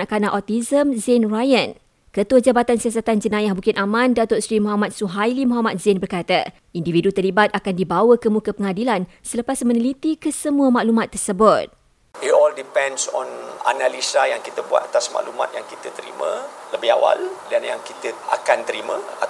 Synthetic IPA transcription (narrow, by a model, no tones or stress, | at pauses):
aʔkanãʔɔt̪izəmzɛnrajən | kət̪uəd͡ʒabat̪ansias̬at̪and͡ʒənãjahbukɪnʔamãndat̪ʊʔsɾimuɦamat̪̚suɦajlimɔɦamat̪̚zɪnbərkat̪a̰ | individut̪ərlibat̪̚akandibawəkəmũkəpəŋadilan | sələpasmə̃nilit̪ikəsəmũəmaʔlumat̪ːərsəbʊt̪̚ | it̪ɔldipɛ̃nsɔ̰̃na̰nalisajaŋkit̪əbua̰t̪̚at̪asma̰ʔluma̰t̪̚jaŋkit̪ət̪əɾḭmə̰̃ləbɪɦa̰wa̰ldanjaŋkit̪əa̰kant̪əɾimə̰̃a